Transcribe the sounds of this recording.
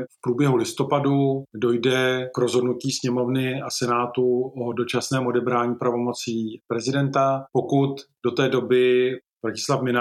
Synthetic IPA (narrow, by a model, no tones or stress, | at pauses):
fpɾuːbjɛɦulɪst̪o̞padudo̞jdɛkɾo̞zɦo̞dnuciːsɲɛmo̞vnɪasɛnaːt̪uʔodo̞t͡ʃasnɛːmo̞dɛbɾaːɲiːpɾavo̞mo̞t͡siːpɾɛzɪdɛnt̪apo̞kut̪do̞t̪ɛːdo̞bɪvɾacɪslafmɪna